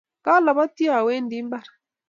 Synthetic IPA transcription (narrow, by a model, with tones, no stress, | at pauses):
ka˦la˨βa˦ti˦a˨we˦ndi˨˦mba˦˨ɾa˨